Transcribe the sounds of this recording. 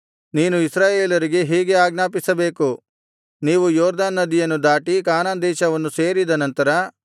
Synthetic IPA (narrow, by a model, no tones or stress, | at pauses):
niːnuisɾaːjeːlɐɾiɡe̞ɦiːɡe̞aːɡnaːp̬isɐbe̞ːku | niːʋujɔːɾd̪aːnːɐd̪ijɐnːud̪aːʈikaːnaːnd̪ɛːʃɐʋɐnːuse̞ːɾid̪ɐnɐnt̪ɐɾɐ